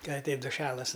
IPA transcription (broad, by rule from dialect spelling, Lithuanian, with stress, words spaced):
ˈkɐ ɐˈtʲɛɪt dʊˈʃʲæːlˠɐs